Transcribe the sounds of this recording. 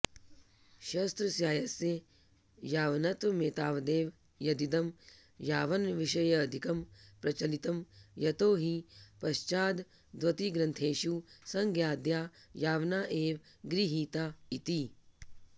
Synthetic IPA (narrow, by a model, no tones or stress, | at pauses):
ʃɐst̪ɾɐsjaːjɐsje | jaːʋnɐt̪ʋɐmeːt̪aːʋd̪eːʋ | jɐd̪it̪ɐm | jaːʋɐnʋiʃɐjɐːd̪ʱikɐmpɾɐt͡ʃɐlit̪ɐmjɐt̪oːɦipɐʃt͡ʃaːd̪ | d̪ʋɐt̪iɡɾɐ̃nt̪ʰeːʃusɐŋɡjaːd̪jaːjaːʋnaːʔeːʋ | ɡɾiɦiːt̪aːit̪i